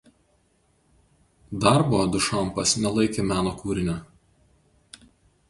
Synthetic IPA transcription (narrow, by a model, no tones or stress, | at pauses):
d̪ɐɾboːɐd̪ʊʃɐˑmpɐsnʲɛlˠɐɪkʲemʲæːnoːkuːɾʲɪnʲʊ